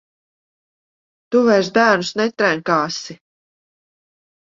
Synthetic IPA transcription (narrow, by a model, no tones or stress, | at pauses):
t̪uvajɾs̬d̪æːɾnusnɛt̪ɾæŋkaːsi